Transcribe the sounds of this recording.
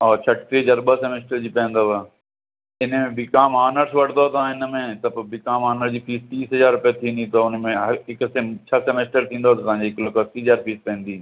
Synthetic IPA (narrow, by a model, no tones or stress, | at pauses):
ɔːt͡ɕʰɐʈkɾid͡ʑɐɾbəsemeːsʈəɾd͡ʑiːpɐ̃ɪ̃nd̪oʋ | ɪnmẽbɪkaːmaːnəɾsʋɐɽ̤̃nd̪ot̪ɐʋãːɪnəmẽt̪ɐpbɪkaːmaːnəɾd͡ʑiːpʰiːst̪ĩːsɦɐzaːɾɾʊpijat̪ʰĩːnd̪ĩt̪oʊnmẽɦɪkst͡ɕʰasemeːsʈəɾt̪ʰĩːnd̪ot̪ɐt̪ɐʋãd͡ʑiɪklɐkosiːɦəzaːɾpʰiːspɐ̃nd̪iː